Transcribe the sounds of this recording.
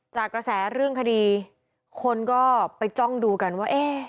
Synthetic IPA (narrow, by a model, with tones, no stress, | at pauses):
t͡ɕaː˨˩kːɾa˧sɛː˩˦ɾɯ˥˩əŋkʰa˧diː˧ | kʰo˧nkɔː˥˩pa˧jt͡ɕɔ˥˩ŋduː˧ka˧nwaː˥˩ʔeː˧